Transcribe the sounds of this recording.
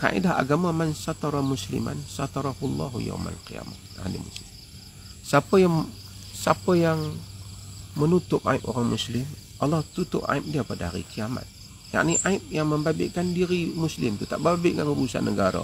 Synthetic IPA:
ka̰ʔḭdaha̰ɡamamansat̪aɾamuslḭma̰nsat̪ɑɾɑhulːa̰ɦja̰wma̰lqija̰ma | adḭmuslɪm | sapəjaŋ | sapəjaŋ | mənut̪ʊp̚aɪp̚oɾaŋmuslɪmʔɑlːɔht̪ut̪ʊpa̰ɪp̚diapadaaɾḭkiama̰t̪̚ | ja̰ʔniʔaɪp̚jaŋməmbabɪ̰ʔkandiɾimuslɪmt̪ut̪aʔbabɪʔŋaŋɾusa̰nəɡaɾa̰

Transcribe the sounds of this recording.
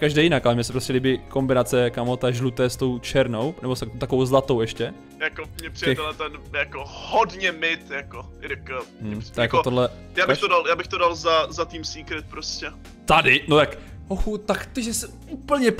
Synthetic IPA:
kaʒdɛːjɪnakʔalɛmɲɛsɛ̥pɾoscɛlɪbɪko̞mbɪnat͡sɛkamot̪aʒlut̪ɛːst̪o̞wt͡ʃɛɾno̞wnɛbost̪akt̪akovowzlat̪owɛʃcɛ | jakomɲɛpr̥ɪɛɛt̪ɛnat̪ɛnjakohodɲɛmɪt̪jako | ɪɾɪk̩t̪jakot̪olɛ | jaːbɪxt̪odaljaːbɪxt̪odalzazat̪iːmsiːkɾɪt̪̚pɾoscɛ | t̪adɪnot̪ak | oxut̪akt̪oʒɛsɛ | upl̩ɲɛ

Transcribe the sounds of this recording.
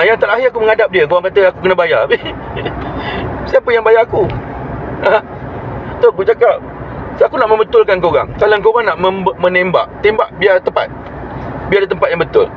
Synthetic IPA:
jaŋt̪alaɦiak̬uməŋadap̚diəkoɣaŋkat̪əakukənabajabi | siapənjaŋbajaku | a | t̪oud͡ʒakap̚ | sakunaʔmə̃mbət̪ʊlkankəoɣa̰ŋkalaŋkoɣaŋnaʔməmmə̃nemba̰ʔt̪embaʔbiat̪əpa̰t̪̚ | biadit̪əmpat̪̚jãŋbət̪ʊ̰l

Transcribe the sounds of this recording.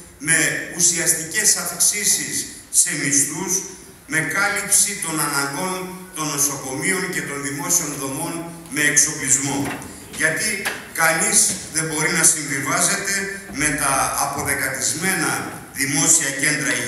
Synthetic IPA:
me̞usiɐst̪ice̞sɐfksisisː | e̞mist̪us | me̞kɐlipsit̪o̞nɐnɐŋɡo̞nt̪o̞no̞so̞ko̞mio̞ɲce̞t̪o̞nðimo̞sio̞nðo̞mo̞n | me̞ːkso̞plizmo̞ | ʝɐt̪ikɐnizðe̞mbo̞ɾinɐsiɱvivɐze̞t̪eme̞t̪ɐːpo̞ðe̞kɐt̪izme̞nɐ | ðimo̞siɐce̞nd̪ɾɐi

